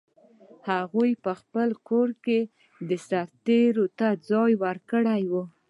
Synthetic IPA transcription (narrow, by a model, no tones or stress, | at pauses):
haɣujpəxpəlkoɾke | d̪əsaɾt̪eɾot̪ad͡zɑjwəɾkəɽajwu